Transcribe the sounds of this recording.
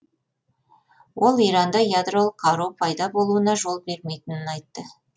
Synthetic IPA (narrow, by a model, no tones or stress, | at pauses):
wʔo̞lˠijɾɑnd̪ɑjad̪ro̞lˠəqʰːɑɾupʰɑjd̪ɑbo̞lˠuənɑʒo̞lˠbe̞ɾme̞jt̪ɪnɪnɑjt̪ːə